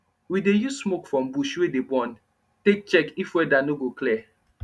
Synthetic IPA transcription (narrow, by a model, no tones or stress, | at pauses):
widejusmokfɹɔ̃mbuʃwedebɔ̃n | tek̚t͡ʃɛkifwɛdanoɡoklɛ